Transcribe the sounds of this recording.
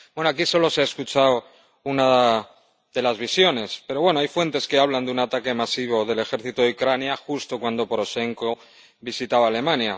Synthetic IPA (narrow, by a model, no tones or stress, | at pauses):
bwe̞no̞akiso̞lo̞seaeskut͡ʃaw | una | ðe̞lazβisjo̞ne̞spe̞ɾo̞βwe̞no̞ajfwe̞nt̪e̞ske̞aβ̞land̪eunat̪ake̞masiβ̞o̞ðe̞le̞xeɾθit̪oðeukɾanjaxust̪o̞kwand̪o̞poɾo̞ʃe̞ŋko̞ | βisit̪aβaːle̞mãnja